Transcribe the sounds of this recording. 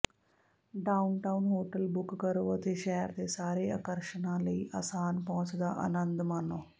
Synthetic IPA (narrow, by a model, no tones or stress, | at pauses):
ɖɐwnʈɐwnɦoːʈɐlbukːkɐɾuʋɐt̪eʃɛjɐɾt̪eːsaːɾeːɐ̰kɐɾʂɐnaːlɐjʔɐsaːnpɐːt͡ʃɐd̪aʔɐ̰nɐnd̪mɐno